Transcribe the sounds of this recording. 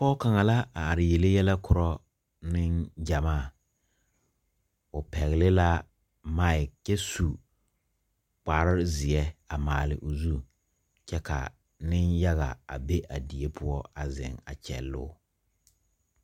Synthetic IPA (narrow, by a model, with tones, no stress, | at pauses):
pɔ˦ka˨ŋa˨la˦a˨a˨ɾɪ˨je˨lɪ˦jɛ˦lɛ˦kʊ˨ɾɔ˦ | nɪ˦nd͡ʒa˨maː˦˨ | ʊ˨pɛ˨ɣɪ˨lɪ˦la˦ | ma˦˨ɪ˨kːɛ˦su˨ | k͡pa˨ɾɪ˦ɾzɪ˨ɛ˦a˨maː˨lɪ˨ʔʊ˨zu˦ | t͡ʃɛ˦ka̰˨ | nɪ˦nja˦ɣa̰˨a˨be˦ʔa˨di˨e˦pʰʊ˦ɔ˦a˨zɪ̰˨ŋa̰˨t͡ʃɛ̰˨lːʊ̰˦